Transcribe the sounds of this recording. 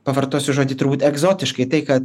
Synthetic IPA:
pɐʋɐɾt̪oːsʲʊʒoːd̪ʲiːt̪ʊɾbuːt̪ʲɛɡzoːt̪ʲɪʃkɐɪt̪ɐɪkɐt̪

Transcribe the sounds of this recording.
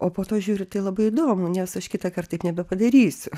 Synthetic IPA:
oːpoːt̪oːʒʲuːɾʲʊt̪ɐɪlˠɐbɐɪɪd̪oːmʊnʲɛsɐʃkʲɪt̪ɐkɐrt̪t̪ɐɪpnʲɛbʲɛpɐd̪ɐɾʲiːsʲʊ

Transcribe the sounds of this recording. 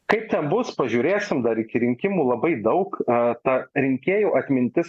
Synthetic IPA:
kɐɪp̚t̪ʲɛnbʊspɐʒʲuːɾʲeːsʲɪmd̪ɐɾɪkʲɪɾʲɪŋʲkʲɪmuːlˠɐbɐɪd̪ɐʊkt̪ɐɾʲɪŋʲkʲeːjuːʔɐt̪ʲmʲɪnʲt̪ʲɪs

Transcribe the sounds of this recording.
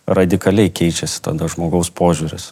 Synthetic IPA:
ɾɐd̪ʲɪkɐlʲɛɪkʲɛɪt͡ʃʲɛsʲɪ̥t̪ɐ̰d̪ɐʒmoːɡɐʊspoːʒʲuɾʲɪ̰s

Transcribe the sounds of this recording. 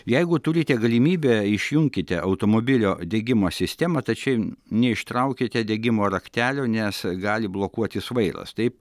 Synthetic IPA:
jɛɪɡʊt̪ʊɾʲɪt̪ʲɛɡɐlʲɪmʲiːbʲeːɪʃʲjʊŋʲkʲɪt̪ʲɛʔɐʊt̪oːmoːbʲɪlʲoːd̪ʲɛɡʲɪmoːsʲɪsʲt̪ʲæmɐt̪ɐɪt͡ʃʲɛnʲɛɪʃt̪ɾɐʊkʲɪt̪ʲɛd̪ʲɛɡʲɪmoːɾɐkt̪ʲæːlʲoːnʲɛsɡɑːlʲɪblˠoːkuɔt̪ʲɪsʋɐɪɾɐ̰st̪ɐɪp

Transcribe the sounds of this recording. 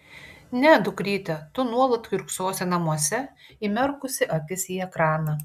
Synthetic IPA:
nʲɛd̪ʊkɾʲiːt̪ʲɛt̪ʊnuɔlˠɐt̪ʲkʲɪɾksoːsʲɛnɐmuɔsʲɛimʲɛɾkʊsʲɪʔɐkʲɪsiːɛkɾɑːnɑ

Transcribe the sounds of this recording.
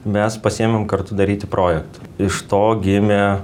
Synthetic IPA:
mʲɛspɐsʲiːɛmʲemkɐɾt̪ʊd̪ɐɾʲiːt̪ʲɪpɾʔoːjɛkt̪ɐ̥ | ɪʃt̪oːɡʲɪmʲeː

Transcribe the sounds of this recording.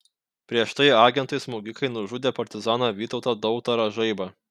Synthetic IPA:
pʲɾʲiɛʃt̪ɐɪɑːɡʲɛnt̪ɐɪsmoɡʲɪkɐɪnʊʒʊd̪ʲeːpɐɾʲt̪ʲɪzɑːnɐʋʲiːt̪ɒʊt̪ɐd̪ɔʊt̪ɐɾɐʒɐɪbɐ

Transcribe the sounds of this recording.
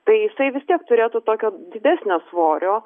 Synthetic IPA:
t̪ɐɪjɪsɐɪʋʲɪst̪ʲiɛkt̪ʊɾʲeːt̪ut̪oːkʲoːd̪ʲɪd̪ʲæsʲnʲoːsʋoːɾʲoː

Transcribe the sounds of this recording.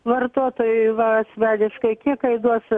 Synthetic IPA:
ʋɐrt̪oɔt̪oːjʊɪʋɐɐsʲʋʲæːd̪ʲɪʃkɐɪkʲiɛkɐɪd̪uɔs

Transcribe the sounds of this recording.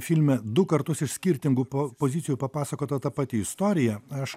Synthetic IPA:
fʲɪlʲmʲɛd̪ʊkɐɾt̪ʊsɪʃsʲkʲɪɾʲt̪ʲɪŋɡuːpopozʲɪt̪sʲɪjuːpɐpɑːsɐkoːt̪ɐt̪ɐpɑːt̪ʲɪɪst̪oːɾʲɪjɛɐʃ

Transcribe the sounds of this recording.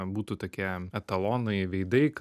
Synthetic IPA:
buːt̪ut̪oːkʲiɛɐt̪ɐlˠoːnɐɪʋʲɛɪd̪ɐɪk

